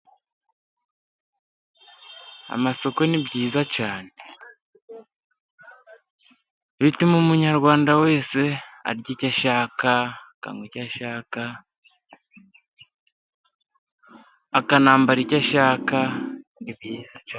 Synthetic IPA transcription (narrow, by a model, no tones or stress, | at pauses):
a̰maso̞ko̞nibɟiːzacaːne | βitimumuɲaɾɡwaːndawe̞ːse̞a̰ɾɟicaʃaːkaka̰ŋwicaʃaːka | akanaːmbaɾicaʃaːkanibiza